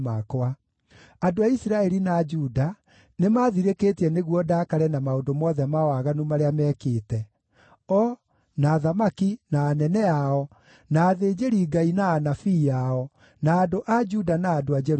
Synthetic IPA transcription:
makoa | adoaisiɾaɛɾinaːd͡ʒuda | nemaːðiɾeketiɛneɣwɔdaːkaɾɛnamaondomɔðɛmawaɣanumaɾeamɛkeːtɛ | ɔ | naːðamakinaːnɛnɛaɔ | naːðeːd͡ʒeɾiɡainaːnafiːaɔ | naːdoʔad͡ʒudanaːdoad͡ʒɛɾ

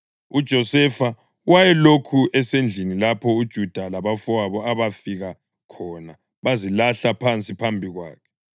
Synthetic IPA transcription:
ud̥ʒ̥ʱɔsɛfa | wajɛlokʰuɛsend͡ɮʱinilapʰɔud̥ʒ̥ʱud̥ʱalaβafɔwaβɔaβafiɣa | kʰɔna | βazilaɬapʰant͡sʼipʰambʱiɣwa̰ːkʰɛ̥

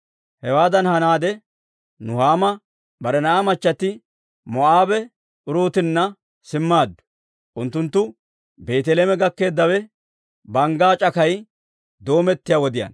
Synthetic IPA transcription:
hɛwaːd̪ɐnhɐnaːd̪ɛ | nʊhaːmɐ | bɐɾɛnɐʔamɐt͡ʃːɐt̪ːɪ | mɔʔaːbɛ | ʔʊɾuːt̪ɪnːɐ | sɪmːaːd̪ːʊ̥ | ʔʊnt̪ːʊnt̪ːʊ | be̞ːt̪ɛleːmɛɡɐkːe̞ːd̪ːɐwɛ | bɐŋɡaːt͡ʃʼɐkɐj | d̪o̞ːmɛt̪ːɪjawɔd̪ɪjɐ̰ːn

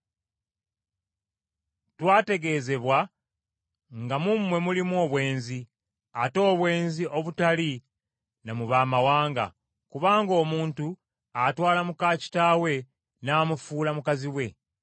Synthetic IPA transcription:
twaːte̞ɡe̞ːze̞βwa | ŋɡamumwe̞mulimo̞ːβwe̞ːnzi | ato̞ːβwe̞ːnziʔo̞βutali | namuβaːmawaːŋɡa̰ | kuβaːŋɡo̞ːmuːntu | atwaːlamukaːci̥tawe̞ | naːmufuːlamukaziwe̞

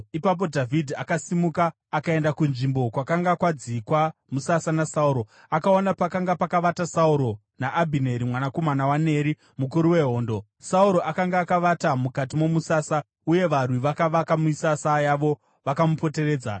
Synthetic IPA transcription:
ipap̬o̞dʱavʱidʱiakasimukaː | kae̞ndakunʐimbo̞kwakaŋɡakwad͡zikwamusasanasauɾo̞ | akaonapakaŋɡapakaʋatasauɾo̞ | naʔːbʱine̞ɾimwanako̞manawane̞ɾi | mukuɾuwe̞ɦo̞ːndo̞ | sauɾo̞ʔakaŋɡaːkaʋatamukatimo̞musaːsa | uje̞ʋarwiʋakaʋakamuisasajaʋo̞ | ʋakamupo̞te̞re̞ːd͡za

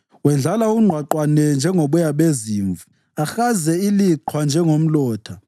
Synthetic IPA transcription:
wɛnd͡ɮʱalauŋ͡ǃʱwaǃwanɛnd͡ʒʱɛŋʱoɓujaɓeziːɱvu | axazɛiliǃʰwand͡ʒʱɛŋom̩lɔːtʰa

